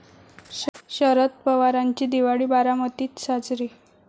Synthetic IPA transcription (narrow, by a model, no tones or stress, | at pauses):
ɕəɾət̪pəʋaɾaɲt͡ɕiːd̪iʋaɽiːbaɾamət̪iːt̪sad͡zɾiː